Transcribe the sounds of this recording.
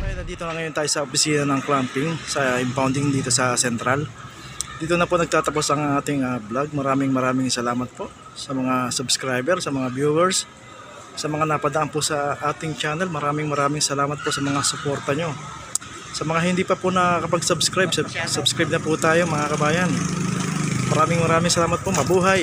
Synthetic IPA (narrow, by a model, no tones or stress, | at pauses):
d̪aːjɐnɐnd̪iːt̪o̞nɐŋɐjo̞nt̪aːjosɐʔopɪsiːnɐnɐŋkɾampɪŋsɐʔɪmpawnd̪ɪŋd̪iːt̪o̞sɐsɛnt̪ɾal | d̪iːt̪onɐponɐɡ̚t̪aːt̪ɐpo̞sɐŋʔaːt̪ɪŋɐblaɡ̚mɐɾaːmɪŋmɐɾaːmɪŋsɐlaːmɐt̪̚po̞ʔ | sɐmɐŋasʊbskɾajbɛɾsɐmɐŋabjuwɛɹsː | ɐmɐŋanɐpɐd̪ɐʔanpʊsɐʔaːt̪ɪŋt͡ʃaːnɛlmɐɾaːmɪŋmɐɾaːmɪŋsɐlaːmɐt̪̚posɐmɐŋasʊpo̞ɾt̪ɐɲo̞ | sɐmɐŋaɦɪnd̪iːpɐpʊnɐkɐpɐɡ̚sʊbskɾajbsabsɐbskɾajb̚nɐpʊt̪aːjo̞mɐŋakɐbaːjɐn | mɐɾaːmɪŋmɐɾaːmɪŋsɐlaːmɐt̪̚pomɐbuːɦaj